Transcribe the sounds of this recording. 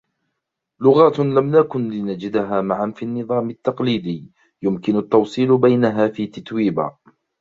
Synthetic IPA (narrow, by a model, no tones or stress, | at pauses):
lʊɣaːt̪lamnakʊnlɪnad͡ʒɪd̪aɦaːmaʕanfiːnːɨðˤɑːmɪt̪ːɑqliːd̪ɪː | jʊmkɪnʊt̪ːɑwsˤiːlbajnaɦaːfiːt̪at̪wiːba̰ː